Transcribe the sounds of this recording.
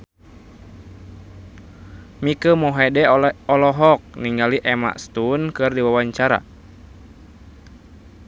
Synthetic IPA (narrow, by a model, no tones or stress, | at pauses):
mikəmɔɦɛdɛɔlɔɦɔk̚niŋɡaliʔɛma̰ʔst̪unkɨrdiwawaɲt͡ʃaɾa̰